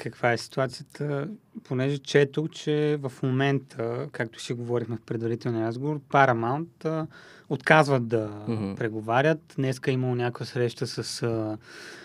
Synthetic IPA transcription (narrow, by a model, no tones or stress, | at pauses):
kəkv̥aɛsi̥t̪uat̪sijət̪ʰəpʰonɛʒɛt͡ʃɛt̪ukt͡ʃɛvɐfmomɛnt̪ʰəkak̚t̪ʊ̥ʃiɡovɔɾixmɛfpɾɛd̪vɐɾit̪ɛlˠniɾazɡovoɾpaɾɐmant̪ə | ot̪kazvəd̪ɐpɾɛɡovaɾʲət̪nɛskəiməlˠonʲakʊjəsɾɛʃt̪əsəsə